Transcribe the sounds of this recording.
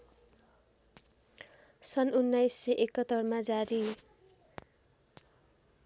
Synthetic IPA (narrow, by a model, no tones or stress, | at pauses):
sʌnunːajsːʌʔekʌt̪ːʌrmad͡zaɾi